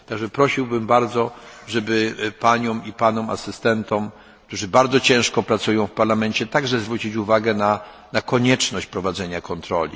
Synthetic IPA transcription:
t̪aɡʐɛpɾɔɕiwbɘmbaɾd̪zɔʐɛbɘpaɲɔmipanɔma̰sɘst̪ɛnt̪ʰɔm | k̚t̪uʐɘbaɾd̪zɔt͡ɕɛ̃w̃ʂkɔpɾat̪sujɔ̃w̃fpaɾlamɛɲt͡ɕɛt̪aɡʐɛzvɾut͡ɕit͡ɕuvaɡɛna | nakɔɲɛt͡ʂnɔɕt͡ɕpɾɔvad̪zɛɲakʰɔnt̪ɾɔ̰lʲḭ

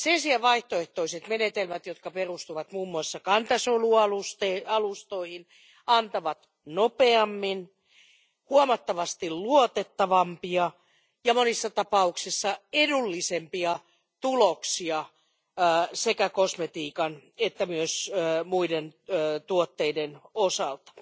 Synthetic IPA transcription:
sensiæʋɑiht̪oeht̪oiset̪menet̪elmæt̪jot̪kɑperust̪uʋɑt̪muːmːuɑsːɑkɑnt̪ɑsoluɑlust̪eɑlust̪oihin | ɑnt̪ɑʋɑt̪ | nopeɑmːin | huomɑt̪ːɑʋɑst̪illuot̪et̪ːɑʋɑmpiɑ | jɑmonisːɑt̪ɑpɑuksisːɑedulːisempiɑ | t̪uloksiɑː | sekækosmet̪iːkɑnet̪ːæmyøsmuidenːt̪uot̪ːeidenosɑlt̪ɑ̥

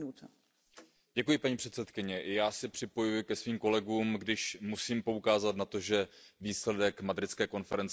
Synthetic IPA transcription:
ut̪ | ɟ̥ɛkujɪpaɲiːpr̥ɛt̪sɛt̪kɪɲɛʔɪjaːsɪpr̝̥ɪpo̞jujɪkɛsviːmko̞lɛɡuːmɡdɪʃmusiːmpo̞ukaːzat̪nat̪o̞ʒɛviːslɛdɛkmad̪ɾɪt̪t͡skɛːko̞nfɛɾɛnt͡s

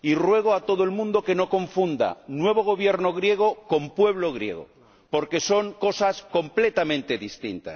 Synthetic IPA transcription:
irwe̞ɣ̞oat̪o̞ð̞oelmũnd̪o̞ke̞no̞kõ̞ɱfund̪a̰nwe̞β̞o̞ɣ̞o̞βje̞ɾnoɣ̞ɾje̞ɣ̞oko̞mpwe̞βloɣ̞ɾje̞̰ɣo̰ | po̞ɾke̞so̞ŋko̞sasko̞mple̞t̪amẽnt̪e̞ðist̪ḭnt̪a̰s

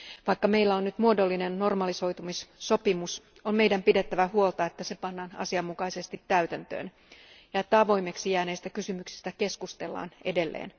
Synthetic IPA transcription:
ʋɑikːɑme̞jlːæonːyt̪muodo̞lːinenːo̞rmɑliso̞jt̪umisːo̞pimus | omme̞idæmpidet̪ːæʋæhuo̞lt̪ɑet̪ːæsepɑnːɑːnɑ̰siɑmːukɑise̞st̪it̪ːæyt̪ænt̪ø̰ːn | jɑet̪ːæɑʋo̞jme̞ksijæːne̞ːst̪ækysymyksi̥st̪æke̞skust̪e̞lːɑ̰ːnʔede̞lːḛːn

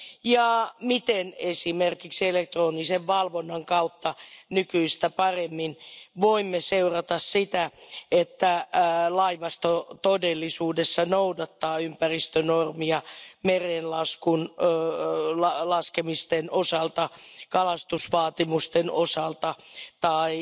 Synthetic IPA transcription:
jɑmit̪enesimerkikselek̚t̪roːniseʋʋɑlʋonːɑŋkɑut̪ːɑnykyist̪æpɑremːinʋoimːeseurɑt̪ɑssit̪æet̪ːælɑiʋɑst̪ot̪odelːisuːdesːɑnoudɑt̪ːɑːympærist̪ønormiɑmereːnlɑskun | lɑlɑskemist̪enʔosɑlt̪ɑkɑlɑst̪usʋɑːt̪imust̪enosɑlt̪ɑt̪ɑi

